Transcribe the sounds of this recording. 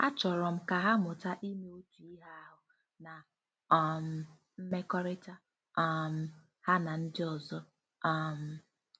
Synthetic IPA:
a˦t͡ʃɔ˨ɾɔ˨m̩˦ka˨ɦa˦mʊ˨ta˦ʔi˦me˦o˦tu˨i˦ɦa˦a˦ɦʊ˨ | na˨ | ɔ˦˨m̩˨ | m̩˦me˦kɔ˦ɾɪ˦ta˦ | m̩˨ | ha˦na˨n̩˦dɪ˦ɔ˨zɔ˦˨ | m̩˨

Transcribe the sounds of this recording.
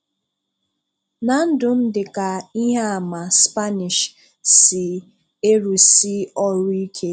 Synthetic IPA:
na˨n̩˦dʊ˨m̩˦dɪ˨ka˨i˦ɦe˦a˨ma˨spa˦nɪ˨ʃ | sɪ˨ | e˦ɾu˨si˦ɔ˦ɾʊ˦i˦kʰe˦

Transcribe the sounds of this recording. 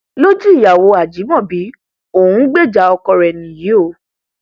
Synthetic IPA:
lo˦d͡ʒi˦i˦˨ja˨wo˧a˨d͡ʒi˨˦mɔ̃˦˨bi˨˦ | o˨hũ˨˦ɡ͡be˦˨d͡ʒa˨˧˦ɔ˧kɔ˧ɾɛ˨nĩ˨ji˨˦o˦˨˦

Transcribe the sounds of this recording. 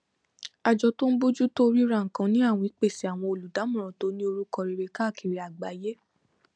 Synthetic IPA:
a˨d͡ʒɔ˧to˦n̩˦bo˦d͡ʒu˦to˦ɾi˦ɾa˦˨ŋ̩˨kã˧˦nĩ˦a˦˨w̃ɔ̃˧i˨k͡pe˦˨si˨˦a˨w̃ɔ̃˧o˨lu˨da˨˦mũ˦˨ɾ̃ã˨to˨˦nĩ˦o˧ɾu˦kɔ˧ɾi˧ɾe˧ka˦˨ki˨ɾe˨˧˦a˨ɡ͡ba˨˦je˦

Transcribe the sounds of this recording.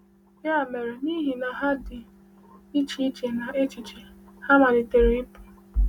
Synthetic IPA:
ja˦a˨me˨ɾe˨ni˦ɦi˨na˨ɦa˦dɪ˨ | i˦t͡ʃi˦t͡ʃe˨na˨ʔe˦t͡ʃi˨t͡ʃe˨ | ha˦ma˨dɪ˨te˨ɾi˦i˦pu˨

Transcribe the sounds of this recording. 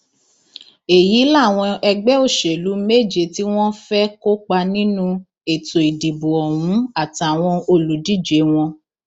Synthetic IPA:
e˨ji˨˦la˦˨w̃ɔ̃˧ɛ˧ɡ͡bɛ˦o˦˨ʃe˨lu˨˦me˦˨d͡ʒe˧˨ti˦w̃ɔ̃˦fɛ˦ko˦k͡pa˧nĩ˦nũ˦ | e˨to˨i˨di˨bu˨ɔ˨w̃ũ˨˦a˦˨ta˨w̃ɔ̃˧o˧lu˨di˦˨d͡ʒe˨˦w̃ɔ̃˧

